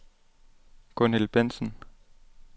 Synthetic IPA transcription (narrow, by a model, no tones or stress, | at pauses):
konelb̥en̰sn̩